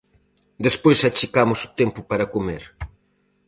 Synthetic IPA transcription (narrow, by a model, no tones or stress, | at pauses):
d̪espojsat͡ʃikamʊsʊ̥t̪ɛmpʊpaɾɐkomḛɾ